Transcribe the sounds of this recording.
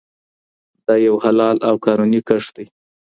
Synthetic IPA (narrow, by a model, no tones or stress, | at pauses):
d̪ɑjawhalɑlawkɑnunikəʂd̪aj